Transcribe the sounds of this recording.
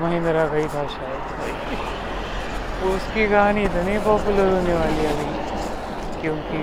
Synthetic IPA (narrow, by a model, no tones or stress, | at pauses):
mɐɦĩnd̪ɾaɡaiːbʱaːʃaet̪bʱaji | t̪ouskiːkaañiːd̪ənepɔːpjuləɾd̪ʱuneʋaːliːaːli | kjũki